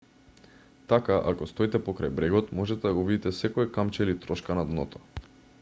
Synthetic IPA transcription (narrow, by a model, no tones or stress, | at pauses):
t̪akaʔa̰kɔst̪ɔit̪ɛpɔkɾajbɾɛɡɔt̪mɔʒɛt̪ɛd̪aɡɔvid̪it̪ɛsɛkɔɛkamt͡ʃɛlit̪ɾɔʃkanad̪nɔt̪ɔ̥